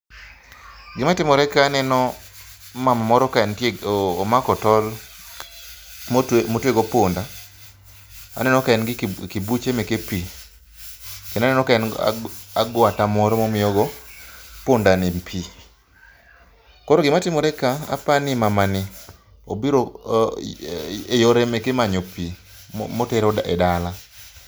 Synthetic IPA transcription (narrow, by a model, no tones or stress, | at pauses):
ɡɪmatɪmɔɾɛkaːnɛnɔ | mamamɔɾɔkaɛntːmakɔtɔl | motweɡɔponda | a̰nɛnɔkaɛnɡɪkɪbut͡ʃemɛkepi | kenanɛnɔkaɛn̰ | aɡwatamɔɾɔmɔmɪjɔɡɔ | pondanimpʰi | kɔɾɔɡɪmatɪmɔɾɛkaa̰panɪmamanɪ | obiɾo | ejoɾemɛkɪmaɲopḭ | moteɾɔdaɛ̰dala